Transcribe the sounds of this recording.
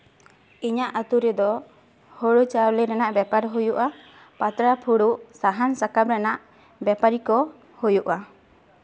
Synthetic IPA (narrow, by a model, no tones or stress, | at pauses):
iɲaʔat̪uɾɛd̪ɔ | hoɽut͡ʃawlɛɾanaʔbapaɾɦujuʔa | pat̪ɾapʰuɽuʔsaɦansakabɾanaʔ | bapaɾikɔ | hujuʔa